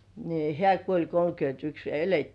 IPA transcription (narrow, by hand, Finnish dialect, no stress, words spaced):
ni hĕæˑ kuolʲ kolkyøntyks jɑ eletːiː